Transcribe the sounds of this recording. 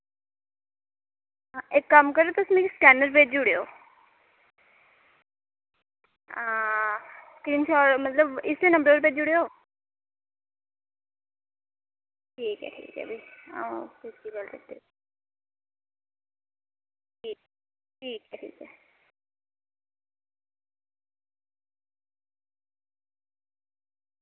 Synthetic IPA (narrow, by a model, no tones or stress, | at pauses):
aɪkːəmkəɾeot̪ʊsmɛ̃kskɛːnəɾpeːd͡ʒʊɽeo̰ː | a | skɾiːnsɔːɾmət̪ləbɪst̪eːnə̃mbəɾeːɾpeːd͡ʒʊɽeoː | ʈʰiːkɛ̰ʈʰḭːkɛ̰bʱiã̰kɪskiɡəlɾḛk̚t̪e | ʈʰiːk | ʈʰiːkɛʈʰḭːkɛ